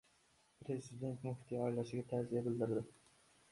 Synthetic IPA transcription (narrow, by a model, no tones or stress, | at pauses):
pʰɾe̞zɪd̪e̞nt̪mʊhɪt̪ʰːijɒɪlaʃɪɡʲat̪ʰazijabɪld̪ɪɾd̪ɪ